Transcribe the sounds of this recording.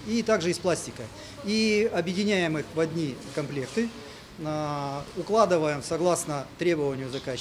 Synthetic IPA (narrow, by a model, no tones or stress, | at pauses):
it̪aɡʐɨɪsplˠasʲtʲɪkə | iɐbjɪdʲɪnʲæjɪmɨxvɐd̪ʲnʲikɐmplʲe̞kt̪ɨ | nəʊklˠad̪ɨvəjɪmsɐɡlˠasnət̪ɾʲe̞bəvənʲɪjʊzɐka